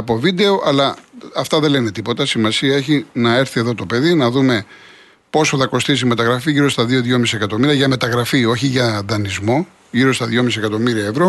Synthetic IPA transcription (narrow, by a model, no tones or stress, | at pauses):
ɐpo̞vid̪e̞o̞ʔɐlɐɐft̪ɐðe̞lene̞t̪ipo̞t̪ɐsimɐsiɐe̞çinɐe̞ɾθie̞ðo̞t̪o̞pe̞ðinɐðume̞ | po̞soθɐkost̪isime̞t̪ɐɣɾɐfiʝiɾo̞st̪ɐðio̞ðʝo̞misiekɐt̪o̞miɾiɐʝɐme̞t̪ɐɣɾɐfio̞çiʝɐðɐnizmo̞ | ʝiɾo̞st̪ɐðʝo̞misiekɐt̪o̞miɾiɐevɾo̞